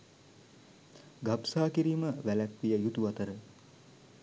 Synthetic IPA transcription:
ɡapsaːkiɾiːməʋælæk̪ʋijəjut̪uʋat̪əɾə

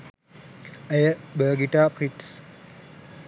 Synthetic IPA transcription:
əjəbəːɡiʈaːpriʈs

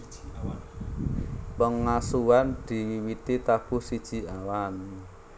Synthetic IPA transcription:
pəŋːasuwand̪̥i̤wit̪it̪ab̥ʊ̤hsid̥ʒ̥i̤awani

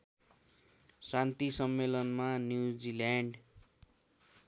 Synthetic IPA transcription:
sant̪isʌmːelʌnmanjud͡zilaɳɖ

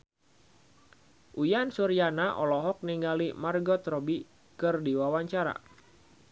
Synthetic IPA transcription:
ʔujansuɾianaʔɔlɔɦɔk̚niŋɡalimarɡɔt̪ɾɔbi | kɨrdiwawaɲt͡ʃaɾa̰

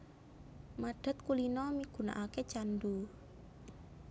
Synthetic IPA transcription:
maɖ̥ə̤t̪̚kulinɔmiɡ̥ṳna̰ʔaket͡ʃand̪u

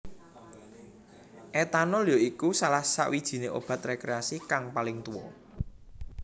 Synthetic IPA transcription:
ʔɛt̪anɔljɔikusalahsa̰ʔwid̥ʒ̥i̤neʔo̰b̥a̤t̪rekɾeasikaŋpalɪŋt̪uwɔ

